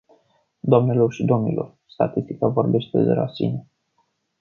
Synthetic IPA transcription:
d̪oamne̞lo̞rʃid̪o̞mnilʔo̞̰r | st̪a̰t̪ist̪ikavo̞rbe̞ʃt̪ezeɾa̰sḭne

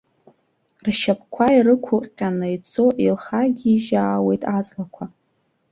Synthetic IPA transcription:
rʃap̚ʰʼkʷʰairɨkʷʰʊqʼqʲʼanɨjt͡sʰo̞ʔilχaɡʲiːʒaːwe̞jtʼat͡sʼlakʷʰa

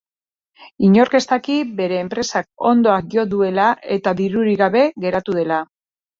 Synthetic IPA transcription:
iɲo̞ɾke̞st̪akibe̞ɾe̞ːmpɾe̞sak̚o̞nd̪o̞akɡio̞ðue̞lae̞t̪aðiɾuɾiɣaβe̞ɣe̞ɾat̪uð̞e̞la

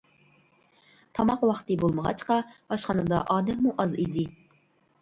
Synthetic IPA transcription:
t̪ʰɑmɑqwɑχt̪ɨbolˠməʁɑ̰t͡ʃqɑbɑʃχɑnɨd̪ɑʔɑːd̪ɛmːuʔɑzid̪ɪ

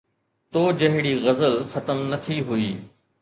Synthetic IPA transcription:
t̪oːd͡ʑɐɦɪɽiːɣɐzəlxɐt̪əmnɐt̪ʰiɦʊiː

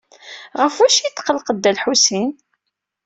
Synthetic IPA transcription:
ʁəfæʃit̪ːqəlqəd̪ːælħusin

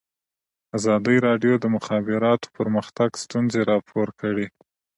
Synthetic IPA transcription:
azɑd̪əjɾɑɖjod̪əmʊxɑbɪɾɑt̪o̥pəɾməxt̪aɡst̪unzeɾɑpʰoɾkəɽe

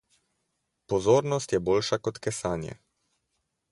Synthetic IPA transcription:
pɔzoːɾnɔst̪jɛboːlʃakɔt̪kɛsaːnjɛ̰

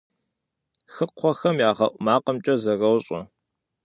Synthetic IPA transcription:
xɨqʷʰɔxɐmjaːʁɐʔʷʼmaːqəmt͡ʃʼɐzɐrɐwɕʼɔ̰

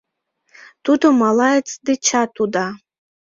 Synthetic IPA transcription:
tʰudomalajt͡sʰʼdɨt͡ʃʰatʰuda

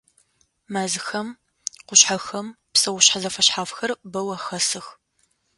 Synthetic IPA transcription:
maːzɨxɐm | qʷʊɕħaxɐm | psɐwʊɕħazɐfɐɕħaːfxɐrbɐwɐxɐsɨx

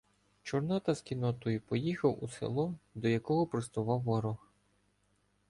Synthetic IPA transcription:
t͡ʃɔrnɑt̪ɐskʲinɔt̪ɔjipɔjixɐwusḛlˠɔd̪ɔjɐkɔɦɔpɾɔst̪ʊʋɑwːɔɾʊx

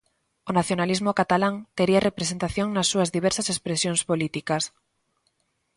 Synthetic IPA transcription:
onaθjonalizmokat̪alaŋt̪eɾiarepɾesent̪aθjoŋnasːuazðiβ̞eɾsasespɾesjonspolit̪ikas

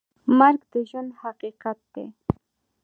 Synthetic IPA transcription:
maɾkd̪ɪʒʊnhɑqiqɑt̪ːe

